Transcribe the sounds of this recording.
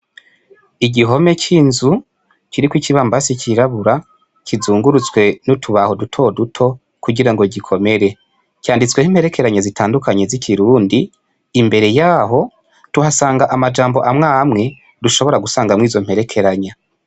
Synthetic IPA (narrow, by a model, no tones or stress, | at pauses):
iɟiɦo̞me̞cʰiːnzu | ciɾikwiciβaːmbasikʰiɾaβuɾa | kʰizuːŋɡuɾut͡swe̞nutʰuβaho̞dutʰo̞dutʰo̞ | kuɟiɾaŋɡo̞ɟikʰo̞me̞ɾe̞ | caːndit͡swe̞him̥he̞ɾe̞kʰe̞ɾaɲazitʰaːndukʰaɲe̞zikʰiɾuːndiː | mbe̞ɾe̞jaːɦo̞ | tuhasaːŋɡaʔamad͡ʒaːmbo̞ʔamŋaːmŋe̞ | duʃo̞βo̞ɾaɡusaːŋɡamŋiːzo̞m̥he̞ɾe̞kʰe̞ɾaɲa